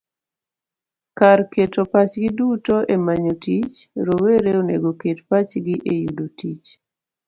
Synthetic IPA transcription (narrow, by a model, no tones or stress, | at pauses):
karketopat͡ʃɡidutoʔemaɲotit͡ʃɾoweɾeonḛɡoketpat͡ʃɡiʔejudotit͡ʃ